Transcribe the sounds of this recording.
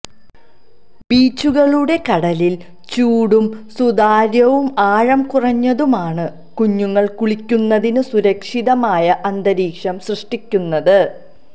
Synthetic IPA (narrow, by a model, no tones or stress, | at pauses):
biːt͡ɕːuɣɐɭuɽe̞kɐɽɐlil | t͡ɕuːɽumsud̪aːɾjɐʋumaːɻɐmkurɐɲːɐðumaːɳɨ | kuɲːuŋːɐɭkuɭikʲːunːɐðinɨsuɾɐkʂiðɐmaːjɐʔɐnd̪ɐɾiːkʂɐmsrɨʂʈikʲːunːɐðɨ